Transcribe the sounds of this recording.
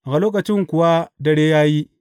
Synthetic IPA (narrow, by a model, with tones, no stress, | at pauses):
ɣa˨loː˦k̬a˨t͡ʃɪ˦ŋku˨wa˦dɐ˦ɽe˦ja˦ji˦